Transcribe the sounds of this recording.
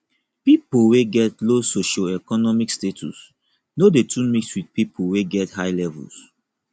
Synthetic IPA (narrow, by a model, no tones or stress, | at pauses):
pipolweɡɛtlosoʃɔɛkɔnɔmikstetʰṵs | nodetʰũnmikswid̚pipʰoweɡɛthaɪlɛvṵls